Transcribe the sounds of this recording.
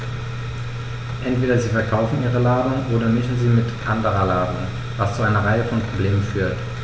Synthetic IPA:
ʔɛntv̥eːdɐziːfɛɐkʰaʊfn̩ʔiːʁ̞əlaːdʊŋʔoːɾɐmɪʃn̩ziːmɪtʔandəʁɐlaːdʊ̰ŋ | vast͡suʔaɪnɐʁaɪəfɔnpʁ̥obleːmənfyːɐt

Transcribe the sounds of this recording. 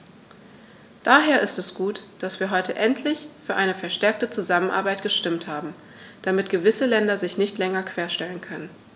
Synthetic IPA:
d̥aːɦeːɐʔɪstɛsɡ̥uːtd̥asv̥iːɐɦɔʏtəʔɛntʰlɪçfyːɐʔaɪnəfɛɐʃtɛɐk̚tət͡suzamənʔa̰ɐbaɪtɡ̥əʃtɪmthaːbm̩ | d̥amɪtɡ̥əvɪsəlɛndɐzɪçnɪçtlɛŋɐkʰv̥eːɐʃtɛlənkʰœnən

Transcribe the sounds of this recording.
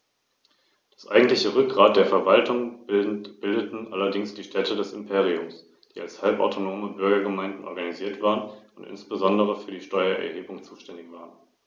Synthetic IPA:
d̥asʔa̰ɪɡŋ̩tlɪçəʁʏk̚ɡ̥ʁaːt̚d̥eːɐfɛɐvaltʰʊŋ | b̥ɪldətn̩ʔalɐdɪŋsd̥iːʃtʰɛtʰədɛsɪmpʰeːʁ̞iʊms | d̥iːalshalpʔa̰ʊtʰonoːməbʏɐɡɐɡəmaɪndn̩ʔɔ̰ɐɡaniziːɐtv̥aːʁənʔʊntʔɪ̰nsb̥əzɔndəʁ̞əfyːɐdiːʃtɔʏɐʔɛ̰ɐheːbʊŋt͡suːʃtɛndɪçv̥aːʁən

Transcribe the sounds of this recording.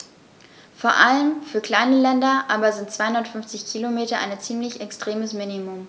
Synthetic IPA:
foːɐʔaləmfyːɐkl̥aɪnəlɛndɐʔaːbɐzɪntt͡sv̥aɪhʊndɐtfʏnft͡sɪçkʰilomeːtɐʔa̰ɪnət͡siːmlɪçɛkstʁ̥eːməsminimʊm

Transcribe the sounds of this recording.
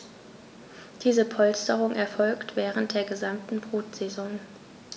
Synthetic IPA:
d̥iːzəpʰɔlstəʁʊŋʔɛɐfɔlktv̥ɛːʁ̞əntd̥eːɐɡəzamtn̩bʁuːtz̥ezɔŋ

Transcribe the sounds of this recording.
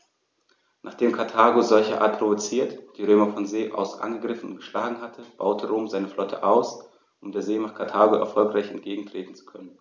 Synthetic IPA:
nʔaːχd̥eːmkʰaɐtʰaːɡozɔlçəʔa̰ɐt̚pʰʁ̥ovot͡siːɐtd̥iːʁøːmɐfɔnzeːʔa̰ʊsʔa̰nɡəɡʁɪfn̩ʊnɡ̥əʃlaːɡŋ̩ɦatʰəb̥a̰ʊtʰəʁoːmzaɪnəflɔtʰə̰ʔaʊs | ʔʊmdeːɐzeːmaːχkʰaɐtʰaːɡoʔɛ̰ɐfɔlkʁaɪçɛ̰ntɡ̥eːɡŋ̩tʁ̥eːtn̩t͡su̥kʰœnən

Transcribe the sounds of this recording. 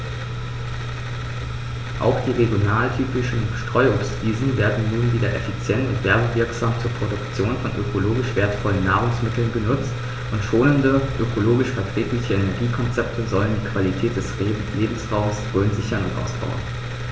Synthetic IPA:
ʔa̰ʊxd̥iːʁeɡjonaːltʰyːpɪʃn̩ʃtʁ̥ɔʏʊsv̥iːzn̩veːɐdn̩nuːnviːdɐʔɛfit͡sjɛntʊ̰ntv̥ɛɐbəvɪɐkz̥aːmt͡suːɐpʁ̥odʊkt͡sjoːnfɔnʔø̰kʰoloːɡɪʃv̥eːɐtfɔlənːaːʁʊŋsmɪtl̩nbənʊt͡st | ʔʊntʃoːnəndəʔøkʰoloːɡɪʃfɛɐtʁ̥eːklɪçəɛnɛɐɡiːkʰɔnt͡sɛp̚tʰəzɔləndiːkv̥alitʰɛːt̚d̥ɛs | leːbm̩sʁaʊmsʁøːnzɪçɐnʊ̰ntʔa̰ʊsb̥a̰ʊɐ̰n

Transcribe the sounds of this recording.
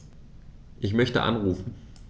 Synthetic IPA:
ʔɪçmœçtə̰ʔa̰nʁuːfn̩

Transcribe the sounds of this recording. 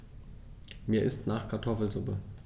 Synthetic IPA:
miːɐɪstnaːχkʰaɐtʰɔfl̩zʊpə

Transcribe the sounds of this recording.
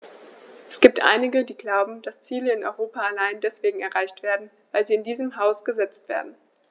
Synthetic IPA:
ʔɛsɡ̥iːp̚tʔa̰ɪnɪɡədiːɡlaʊbm̩d̥ast͡siːləɪnʔɔ̰ʏʁoːpaalaɪndɛsv̥eːɡŋ̩ɛɐʁaɪçtv̥eːɐdn̩ | vaɪlziːɪndiːzəmɦaʊsɡ̥əzɛt͡stv̥ḛːɐdn̩

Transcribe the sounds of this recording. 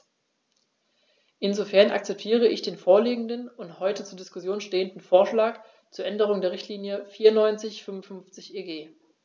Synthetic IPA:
ʔɪnzofɛɐnʔa̰k̚t͡sɛp̚tʰiːʁ̞əɪçd̥eːnfoːɐliːɡŋ̩dənʊnthɔʏtət͡suːɐdɪskʊsjoːnʃteːəndn̩foːɐʃlaːk | t͡suːɐʔɛndəʁ̞ʊŋdeːɐʁ̞ɪçtliːnjəfiːɐnːɔʏnt͡sɪçfʏmʊnfʏnft͡sɪçʔeːɡeː

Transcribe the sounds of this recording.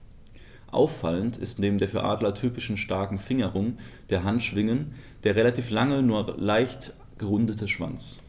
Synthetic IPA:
ʔa̰ʊfaləntɪ̰stneːbm̩deːɐfyːɐʔa̰ːdlɐtʰyːpɪʃn̩ʃtaɐkŋ̩fɪŋəʁʊŋd̥eːɐɦantʃv̥ɪŋənd̥eːɐʁelatʰiːflaŋənuːɐlaɪçt | ɡ̥əʁʊndətʰəʃv̥a̰nt͡s

